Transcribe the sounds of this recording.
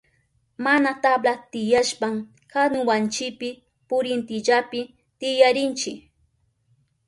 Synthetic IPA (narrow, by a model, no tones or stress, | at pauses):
manat̪ablat̪ɪjaʃpam | kanʊwant͡ʃɪpɪ | pʊɾɪnt̪ɪʎapɪ | t̪ɪjaɾɪnt͡ʃɪ